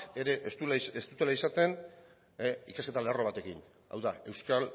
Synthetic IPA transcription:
eɾe̞ʔsuest̪ut̪e̞laisat̪e̞n | ikaske̞t̪alearo̞β̞at̪e̞kin | a̰wðae̞wskal

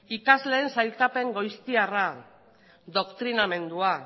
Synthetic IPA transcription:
ikazle̞ːnsajlt̪ape̞ŋɡo̞jst̪iara | ðo̞kt̪ɾiname̞nd̪ua

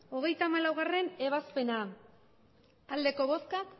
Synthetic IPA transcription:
o̞ɣ̞e̞jt̪aːmalawɣare̞ne̞β̞aspe̞na | ald̪e̞ko̞βo̞skak

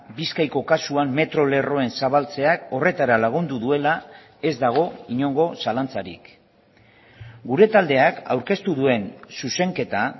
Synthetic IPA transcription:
biskajko̞kasuamːe̞t̪ɾo̞le̞ro̞e̞nsaβalt͡se̞ako̞re̞t̪aɾalaɣ̞und̪uðue̞la | e̞zd̪aɣ̞o̞iɲo̞ŋɡo̞salant͡saɾḭk | ɡuɾe̞t̪ald̪e̞aka̰wɾke̞st̪uðue̞nsuse̞ŋke̞t̪a

